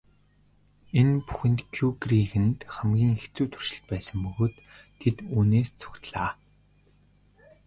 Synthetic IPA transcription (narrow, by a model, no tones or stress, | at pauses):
enpu̥xɘ̆nt̪kʰjuɡriɣɘ̆nt̪χæmɡʲiːŋext͡suːt̪ʰu̥r̥ʃɪ̆ɬt̪̚pæːsə̆mpɵɣoːt̪ʰːet̪uːneːst͡sʰʊ̥xt̪ɮaː